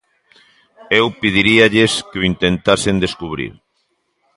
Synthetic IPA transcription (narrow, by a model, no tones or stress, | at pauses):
ewpið̞iɾiaʎɪskeoint̪ent̪asɪnd̪eskuβ̞ɾḭɾ